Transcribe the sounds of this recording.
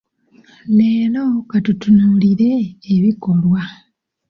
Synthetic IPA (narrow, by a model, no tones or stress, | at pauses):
neːlokatutunuːliɾe̞ːβiko̞lwa